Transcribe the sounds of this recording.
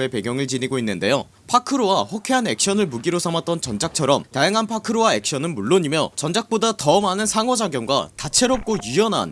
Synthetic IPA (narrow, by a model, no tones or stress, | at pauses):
e̞pe̞ɡjʌŋɯɭt͡ɕiniɡoinːɯnde̞jo | pʰakʰɯɾowaɸokʰeane̞k̚ɕ͈ʌnɯɭmuɡiɾosʰamat͈̚ʌnt͡ɕʌnd͡ʑʰak̚t͡ɕʰʌɾʌmtajaŋɦanpʰakʰɯɾowae̞k̚ɕ͈ʌnɯnmuɭːoɲimjʌt͡ɕʌnd͡ʑʰak̚p͈odatʌmanɯnsʰaŋʌd͡ʑaɡjʌŋɡwa̰tat͡ɕʰe̞ɾʌp̚k͈ojijʌnɦa̰n